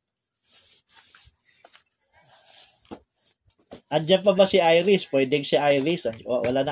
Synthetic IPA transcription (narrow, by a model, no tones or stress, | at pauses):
ʔɐnd͡ʒanpɐbasɪʔajɾɪspwɛd̪ɪŋsaʔajɾɪsawɐlanɐ